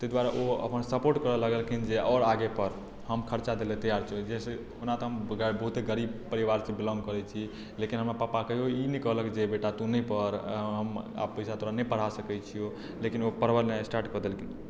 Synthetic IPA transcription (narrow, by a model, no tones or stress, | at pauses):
t̪əd̪ʋaɾaʔoə̰pənsəpoɾʈkəɾələɡəlkʰind͡ʒeʔɔɾaɡepəɾ | həmkʰəɾt͡ʃad̪elet̪əjaɾt͡ʃʰəd͡ʒese | unat̪ɔɦəmbəɦut̪eɡəɾibpəɾiʋaɾsebilɔ̃ŋɡkəɾɛt͡ʃʰi | lekinɦəmɾapapakəɦioinikəɦləkd͡ʒebeʈat̪unipəɾɦəma̰bpəjsat̪oɾanɛpəɽ̤asəkɛt͡ʃʰijo | lekinopəɾəɾnesʈaɾʈkəɾd̪elkʰin